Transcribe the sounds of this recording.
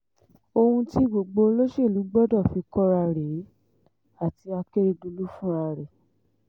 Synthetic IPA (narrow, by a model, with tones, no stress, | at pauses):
o˧hũ˧ti˦ɡ͡bo˨ɡ͡bo˧lo˦ʃe˦˨lu˨˦ɡ͡bɔ˦dɔ˦˨fi˨˧˦kɔ˦ɾa˧˨ɾe˨˦ | a˦˨ti˧a˧ke˦ɾi˧du˧lu˦fũ˦a˧ɾɛ˨